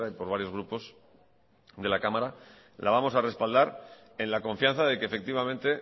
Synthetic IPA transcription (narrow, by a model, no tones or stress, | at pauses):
aipo̞ɾβ̞aɾjo̞zɣ̞ɾupo̞s | ðe̞lakamaɾa | lʔaβamo̞sare̞spald̪aɾ | e̞nlako̞ɱfjanθaðe̞keːfe̞k̚t̪iβamẽ̞nt̪e̞